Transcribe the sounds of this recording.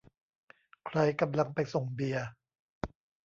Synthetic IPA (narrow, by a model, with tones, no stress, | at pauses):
kʰɾa˧jka˧mla˧ŋpa˧jso˨˩ŋbi˨˧ɐ